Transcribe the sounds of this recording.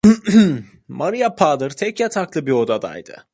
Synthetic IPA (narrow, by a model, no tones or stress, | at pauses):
maɾɯjapʰaːd̪ɯɾt̪ʰɛcjat̪ʰaklˠɯbio̞d̪ad̪a̰jd̪̥ɯ̰